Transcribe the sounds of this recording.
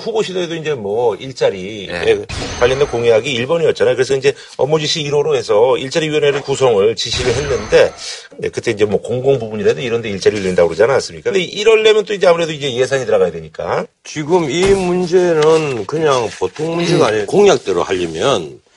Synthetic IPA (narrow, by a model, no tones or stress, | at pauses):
ɸuboɕʰidoe̞doind͡ʑe̞mwʌiɭt͡ɕ͈aɾiekwaʎːindekoŋjaɡiːɭbʌɲiʌt̚t͡ɕ͈anajokɯɾe̞s̬ʰʌind͡ʑe̞ | ʌ̰mod͡ʑiɕʰiːɾoɾoɦe̞sʰʌiɭt͡ɕ͈aɾiɥiʌneɾɯkusʰʌŋɯɭt͡ɕiɕʰiɾɯɭɦe̞nːɯnde̞ | ḛkɯt͈e̞ind͡ʑe̞mwʌkoŋɡoŋbubuɲiɾaedoiɾʌnde̞iɭt͡ɕ͈aɾiɭːendaɡoɾod͡ʑanaas͈ɯmɲik͈akɯndeʔiɾʌɭːemjʌnt͈oind͡ʑe̞amʰuɾe̞doind͡ʑe̞je̞s̬ʰaɲitɯɾaɣajadweɲik͈a̰ | t͡ɕiɡɯmimund͡ʑe̞nɯnkɯɲaŋpotʰoŋmund͡ʑe̞ɡaːɲikoŋjak̚t͈eɾo̰haʎːimjʌn